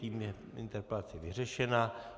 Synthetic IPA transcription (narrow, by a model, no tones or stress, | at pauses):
iːm | ɪ̰nt̪ɛɾplat͡sɛvɪrɛʃɛnaː